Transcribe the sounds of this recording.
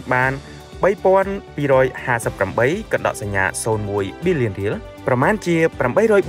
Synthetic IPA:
ɓaːn | ɓəjpŏənpiːɾɔːjhaːsəpːramɓəjkɑnɗɑ̰ʔsaɲːa̰ːsoːnmuəjɓiːlːiənriəl | prɑmaːnt͡ɕiəpramɓəjɾɔːj

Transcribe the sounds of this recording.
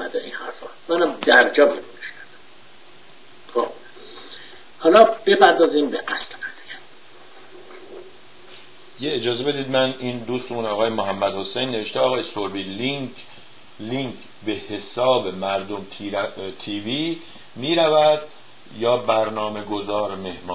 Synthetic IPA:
æd̪eḭnhæ̰ɾfɒːmænæmd̪æɾd͡ʒɒːbeɾumiʃnævæ | xob̥ | hɒːlɒb̥epʰæɾd̪ɒːziːmbeʔæslmæzcʰæɾ | jeed͡ʒɒːze̞be̞d̪iːd̪mæniːnd̪uːst̪euːnɒːɣɒːjemoɦæmːæd̪ho̞sejnːee̞ʃt̪eɒːɣɒːjesoɾbiːli | liŋkʰ | be̞he̞sɒːbe̞mæɾd̪omt̪ʰit̪ʰiːviː | miːɾævæd̪̥ | jɒːbæɾnɒːme̞ɡo̞zɒːɾme̞hmɒː

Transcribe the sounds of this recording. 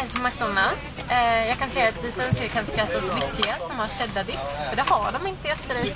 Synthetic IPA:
ɛlt̪mak̚d̪ɔnːals | jɑːɡkʰansɛjːat̪vɪsœnskəɾkʰanskɾat̪ːaɔsmʏkːɪɡasɔmhaɾʂɛd̪ːad̪ɪt̪ːɔd̪ɛhaɖɔmɪnt̪əɛst̪əɾɛ

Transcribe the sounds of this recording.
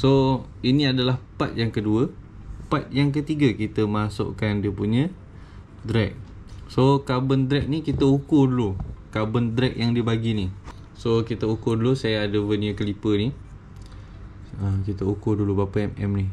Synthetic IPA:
so | iniadalahpat̪̚jaŋkəduə | pat̪̚jaŋk̬ət̪iɡakit̪əmasʊ̰ʔkandiəpuɲə̃ | d̪ɾɛk̚ | sokabənd̪ɾɛk̚nikit̪əukʊdulukabənd̪ɾɛk̚jaŋdiəbaɡini | sokit̪əukudulusajaːdəvəniəkəlipəni | əkit̪əukudulubapəɛmɛ̰mni

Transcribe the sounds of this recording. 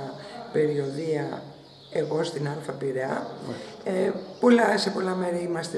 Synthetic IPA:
ɐpe̞ɾio̞ðiɐ | eɣo̞st̪inɐnθɾɐpiɾeɐ̰ | po̞lɐse̞po̞lɐmeɾiimɐst̪e

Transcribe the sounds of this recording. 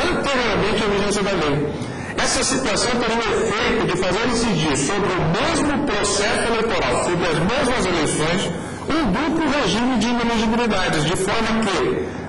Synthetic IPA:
t̪ẽɣawmẽt͡ʃɪɐviʒẽsiɐd̪ɐlej | ɛsɐsit̪uasɐ̃w̃t̪ẽɾ̃ũefejt̪ʊd͡ʒɪfazeɾĩsid͡ʒiɾsobɾɪʊmezmʊpɾosɛsʊelejt̪oɾawfud̪ɪɐzmezmɐzelejsõj̃s | ũd̪uplʊɦeʒĩmɪd͡ʒɪĩnilizibilid̪ad͡ʒɪzd͡ʒɪfɔɾmɐkɪ

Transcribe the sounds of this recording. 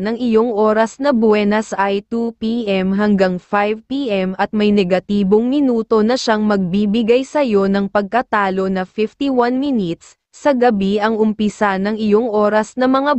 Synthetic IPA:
nɐŋɪjo̞ŋʔo̞ːɾɐsnɐbwɛnɐsʔajt̪upiʔɛmɦɐŋɡaŋfajvpiʔɛmʔɐt̪̚mɐjnɛɡɐt̪iːbo̞ŋmɪnuːt̪o̞nɐʃaŋmɐɡ̚bibɪɡajsɐjo̞nɐŋpɐɡ̚kɐt̪aːlo̞nɐfɪft̪iwanminɪt̪sː | ɐɡɐbiɐŋʔʊmpɪsanɐŋɪjo̞ŋʔo̞ːɾɐsnɐmɐŋa

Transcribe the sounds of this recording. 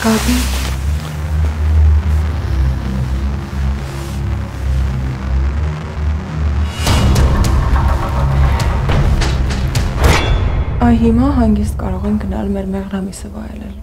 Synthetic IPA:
ɡ̥ɑd̪i | ɑjɦimɑɦɑŋɡist̪kɑ̰ɾɔʁɛŋkɡənɑ̰lmɛɾmɛʁnɑmisəvɑ̰jlɛ̰l

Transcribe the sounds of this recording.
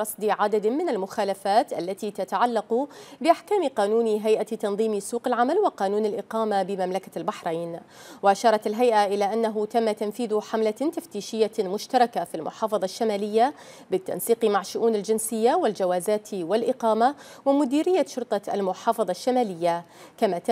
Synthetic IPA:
ɾˤɑsˤd̪iʕad̪ad̪mɪnalmʊxaːlafaːt̪ʔalːat̪it̪at̪aʕalːɑqʊbɪʔaħkaːmqɑːnuːnɦajʔat̪ɑnðˤiːmsuːqɪlʕamalwɪqɑːnuːnalʔɪqɑːmabɪmamlakalbaħɾaːn | wɪʔaʃɑːɾˤɑt̪ɪlɦajʔaʔɪlaʔanːaɦʊt̪amːat̪amfiːðʊħamlat̪aft̪iːʃɪjːamʊʃt̪ɑɾˤɑkafilmʊ̰ħɑːfɑðˤɑʃːamaːlɪjːa | bɪt̪ːa̰nsiːqmaʕʃːʊʔuːnɪld͡ʒɪnsɪjːawɪld͡ʒawaːzaːt̪wɪlʔɪqɑːma | wɪmʊd̪iːɾɪjːaʃʊɾt̪ˤɑa̰lmʊħɑːfɑðˤɑʃːamaːlɪjːa | kamat̪

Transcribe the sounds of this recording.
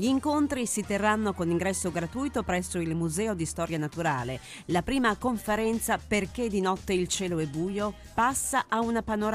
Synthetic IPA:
ʎiːŋkont̪ɾisit̪erːanːokoniŋɡɾɛsːoɡɾat̪uːjt̪opɾɛsːoilmuzɛːod̪ist̪ɔːɾjanat̪uɾaːle | lapɾiːmakoɱfeɾɛnt̪saperk̟ed̪ːinɔt̪ːeilt͡ʃɛːloɛbːuːjo | pasːaʔaunapanoɾ

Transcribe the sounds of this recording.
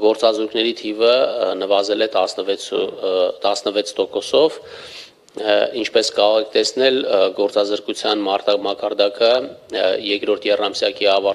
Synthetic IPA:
ɡɔɾt͡sɑzuɾkʰnɛɾit̪ʰivənəvɑzɛlɛt̪ɑsnəvɛut̪ɑsnəvɛt͡sʰt̪ɔkɔsɔv | int͡ʃʰpɛskɑɾɔʁɛk̚ʰt̪ɛsnɛlɡɔɾt͡sɑzəɾkut͡sʰjɑnmɑt̪ɑmɑkɑɾd̪ɑkə | jɛkɾɔɾt̪ʰjɛrɑmsjɑkiɑvɑ

